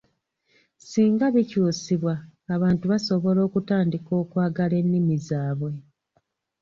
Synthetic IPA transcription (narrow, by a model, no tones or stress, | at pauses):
siːŋɡaβicuːsiβwaːβaːntuβaso̞βo̞lo̞ːkutaːndiko̞ːkwaːɡale̞nːimizaːβwe̞